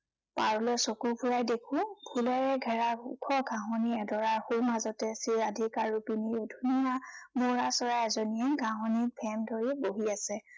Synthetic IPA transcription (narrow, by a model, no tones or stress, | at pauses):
paɹɔlɔjsokupʰuɹajdekʰʊ̃bʰʱulaɹɛɡʱɛɹaukʰɔɡʱãɦɔniɛdɔɹaɹxulmazɔtɛsiɹadʱikaɹɹupinidʱunijamoɹasɔɹaɛzɔniɛɡʱãɦɔnik̚bʰʱɛmdʱoɹiboɦiasɛ